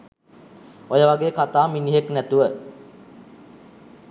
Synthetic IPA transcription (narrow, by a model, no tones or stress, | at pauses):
ojəʋaɡeːkat̪aːminiɦeknæt̪uʋə